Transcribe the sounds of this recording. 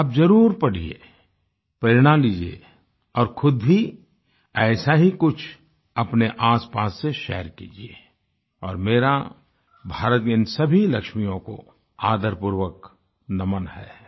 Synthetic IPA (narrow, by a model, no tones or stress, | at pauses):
ɐbd͡ʒɐɾuːɾpɐɽ̤ḭḛ | pɾeːɾɽ̃aliːd͡ʒiḛ | ɔːɾxʰʊd̪bi | ɛːsaɦikʊt͡ʃʰ | ɐpneʔaːspaːsːeʃɛ̰ːəɾkḭːd͡ʒie | ɔːɾmeːɾa | bʱaːɾət̪̚kɪnsɐbʱilɐkʃmijõko̰ | aːd̪əɾpuɾwək | nɐmənhɛ̰ː